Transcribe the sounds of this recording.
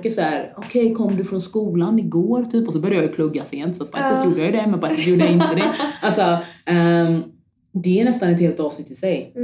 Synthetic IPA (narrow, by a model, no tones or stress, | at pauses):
kːəsæːɾɔkʰɛjkʰɔmːd̪ɵfɾɔnskuːlanɪɡoːɾt̪ʰyːpɔs̬ɔbœɾjajajʏpʰlɵɡːaseːnt̪sat̪̚pʰɛt̪sɛt̪juːd̪əjajʏd̪ɛmɛnpɔɛt̪sɛt̪juːɖəjaɪnt̪əd̪ɛʔalsɔɛm | d̪ɛːɳɛst̪anɛt̪heːlt̪ɑːvsɪkt̪ːɪsɛj